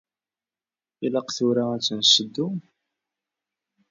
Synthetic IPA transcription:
ilɑqθʊɾaæt͡sːənsəd̪ːu

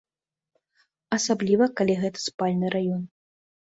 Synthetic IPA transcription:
ɐsablʲivɐkalʲiɣɛt̪ɐ̥spalʲnɨɾajɔn

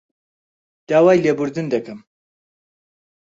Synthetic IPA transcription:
d̪̥aːwaːjlebuɾd̪ɨnd̪ɐkɐm

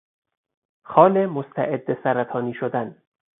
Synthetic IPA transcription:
xɒːlemost̪ʰæʔed̪ːesæɾæt̪ʰɒːniːʃod̪æn

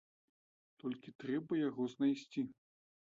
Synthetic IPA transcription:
t̪ɔlʲkʲit̪ɾɛbɐjaɣɔznajsʲt͡sʲi

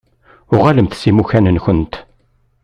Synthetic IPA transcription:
ʊʁaləmθsimuçænənçənt̪

